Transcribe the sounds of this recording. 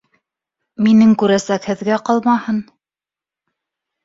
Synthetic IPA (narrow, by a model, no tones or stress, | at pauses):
minɘŋkʉɾæsækhɘ̆ðɡæqɑlˠmɑhɤn